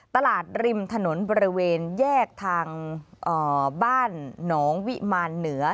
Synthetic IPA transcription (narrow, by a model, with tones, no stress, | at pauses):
t̪a˧laː˨˩t̪̚ɾi˧mt̪ʰa˧no˩˦nbɔː˧ɾi˦˥weː˧njɛː˥˩k̚t̪ʰaː˧ŋʔɤː˨˩baː˥˩nːɔː˩˦ŋwi˦˥maː˧nːɯ˩˦ɐ